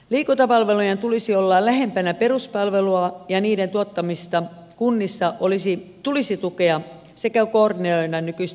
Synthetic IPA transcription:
liːkunt̪ɑpɑlʋelujent̪ulisiolːɑlæhempænæperuspɑlʋeluɑjɑniːdent̪uot̪ːɑmist̪ɑ | kunːisːɑʔolisit̪ulisit̪ukeɑ | sekækoːrneoinːɑnnykyis

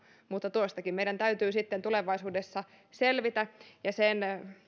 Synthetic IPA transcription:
mut̪ːɑt̪oˑist̪ɑkimmeidænt̪æyt̪yːsit̪ːent̪uleʋɑisuːdesːɑ | selʋit̪æjɑsen

